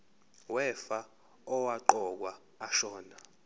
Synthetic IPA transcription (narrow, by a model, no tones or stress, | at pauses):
wɛfa | ɔwaǃɔk̬waː | ʃɔːna